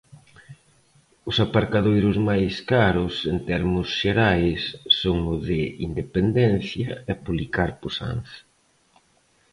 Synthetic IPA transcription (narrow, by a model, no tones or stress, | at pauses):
ʊsapaɾkaðojɾʊzmajskaɾʊsent̪ɛɾmʊsʃeɾajsːoŋʊðɪind̪epend̪ɛn̟θjɐɛpuβlikaɾposa̰nθ